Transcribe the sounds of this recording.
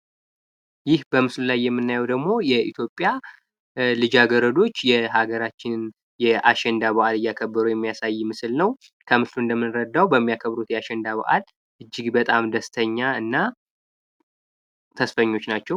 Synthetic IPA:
jɪhbəmɨslulajːɛmːɨnːajɛwd̪əɡmo̞jɛʔḭt̪ʰjo̞pʼːja | lɨd͡ʒaɡəɾəd̪o̞t͡ʃːjɛɦaɡəɾat͡ʃːɪnn | jɛʔaʃɛnd̪aβəʔalɨjːakʰəbːɨɾuwjɛmːijasajːmɨsɨlnəw | kʰəmɨsluɨnd̪əmːɨnɾəd̪ːawbəmːijakʰəβɾut̪jɛaʃɛnd̪aβə̰ʔa̰l | ʔɨd͡ʒːɪɡbət̪ʼamd̪əst̪ʰəɲːaɨnːa | t̪ʰəsfəɲːo̞t͡ʃːnat͡ʃːɛw

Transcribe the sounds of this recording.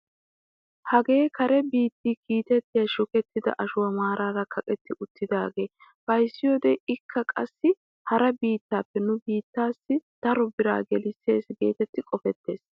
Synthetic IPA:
hɐɡe̞ːkʰɐɾɛbiːt̪ːiːkiːt̪ɛt̪ːɪjɐʃʊkɛt̪ːɪd̪ɐ̰ʔɐʃʊwɐmaːɾʔaːɾɐkʰɐkʼɛt̪ːɪʔʊt̪ːɪd̪a̰ːɡe̞ːb̥ɐjsːɪjoːd̪ɛɪkʰːɐkʼɐ̰sːɪ | hɐɾɐbiːt̪ːaːpːɛnʊbiːt̪ːaːsːɪd̪̥ɐɾɔbɪɾa̰ːɡɛlɪsːe̞̰ːsɡe̞ːt̪ɛt̪ːɪkʼɔfɛt̪ːe̞ːs

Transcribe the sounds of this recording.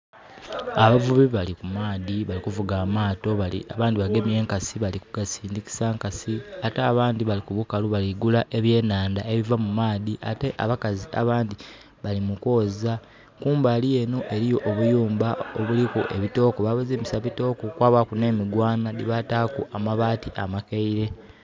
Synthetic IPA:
aβavuβiβalikumaːðiβalikuvuɡaːmaːto̞βalḭa̰βaːndiβaɡe̞mje̞ːŋkasiβalikuɡasiːndiki̥saːŋkasiataːβaːndiβalikuβukaluβaliɡulaʔe̞βje̞ːnaːndae̞βivamumaːðiʔa̰te̞ʔa̰βakazia̰βaːndi | βalimuko̞ːza | kuːmbalije̞no̞ʔe̞ɾijo̞ʔːβujuːmbaoβulikuʔe̞βito̞ːkoβaβaziːmisaβito̞ːkokwaːβakune̞ːmiɡwaːnadiβataːkuʔamaβaːtiʔamakeiɾe̞

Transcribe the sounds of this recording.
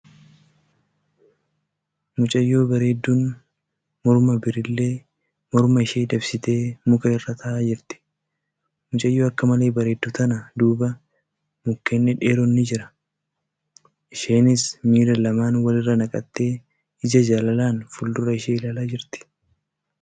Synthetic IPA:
mʊt͡ʃʼɐjːo̞ːbɐɾe̞ːd̪ːuːn | mɔɾmɐbɪɾɪlːe̞ː | mɔɾmɐɪʃeːᶑ̪ɐbsɪt̪e̞ːmʊkɐɪrːɐt̪ʰɐʔaːd͡ʒɪɾt̪ɪ̥ | mʊt͡ʃʼɐjːo̞ːɐkːɐmɐleːbɐɾe̞ːd̪ːʊt̪ɐnɐd̪uːbɐ | mʊkːeːnːɛᶑe̞ːɾɔnːɪd͡ʒɪɾɐ̥ | ʔɪʃe̞ːnɪsmiːɾɐlɐmaːnwɐlɪrːɐnɐkʼɐt̪ːe̞ː | ɪd͡ʒɐd͡ʒaːlɐlaːnfʊld̪ʊɾɐɪʃeːɪlaːlaːd͡ʒɪɾt̪ɪ̥

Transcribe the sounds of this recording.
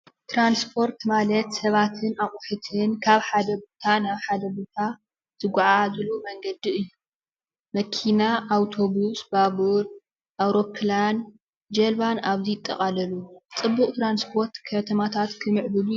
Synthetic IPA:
t̪ʰɾanspʰo̞ɾt̪malɐt̪sɐβat̪ʰɨnaχʼʊħɨt̪ʰɨnkʰaβħad̪ɐbot̪ʰanaβħad̪ɐbot̪ʰa | t̪ʰɨɡʷuʕazɨlomɐŋɡɐd̪iɨjːu | mɐkʰinaʔːwt̪ʰo̞βusbaβuɾ | ʔawɾo̞kʰlan | d͡ʒɐlβanʔaβzijɪt̪ʼːɐχʼalɐlut͡sʼɨbːuχʼt̪ɾanspʰo̞ɾt̪kʰɐt̪ʰɐmat̪ʰat̪kʰɨmɨʕbɨlu

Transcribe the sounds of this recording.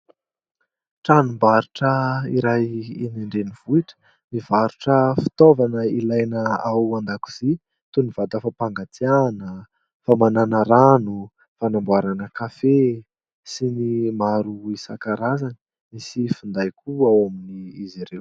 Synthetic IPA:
ʈ͡ʂanumbaɾuʈ͡ʂəiɾajeneɳɖ͡ʐeniv̥uiʈ͡ʂə̥ | mivaɾuʈ͡ʂəfi̥t̪ovanəilajnəawand̪aku̥z̥i | t̪univ̥ad̪afapaŋɡat̪ianə | famananaɾanu | fanambuaɾanəkafe | sinimaɾuisa̰kaɾazanə̥ | misifund̪ajkʰuawaminiiziɾew

